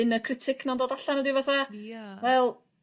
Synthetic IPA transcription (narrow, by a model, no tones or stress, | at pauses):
nəkʰrɪtʰɪkʰnandoːdaɬanɔdivaθawɛlˠ